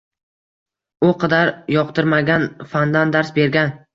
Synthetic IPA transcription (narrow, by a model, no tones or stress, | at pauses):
ʊqʰɑd̪aɾjɒqt̪ʰɪɾmaɡʲanfand̪and̪aɾsbe̞ɾɡʲan